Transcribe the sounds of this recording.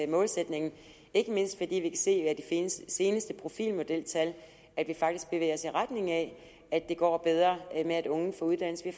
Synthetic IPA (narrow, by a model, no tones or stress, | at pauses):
mɔ̽ːlsed̥ne̝ŋn̩ | e̝ɡ̥əme̝n̰sd̥fɒ̽d̥ḭːʋikʰæse̝̰ːæd̥ifense̝ːnəsd̥əpʰʁo̝fḭːlmo̝d̥el̰t͡sʰæl | æd̥ʋifɑ̈ɡ̥d̥isɡ̥b̥eʋḛɪ̰ɐɒ̽siʁad̥ne̝ŋæ | æd̥e̝ɡ̥ɒ̰ːb̥eð̞ˠʁɐːmeæɾ̥ɔ̽ŋn̩fɔ̽uð̞ˠd̥æn̰lsəʋi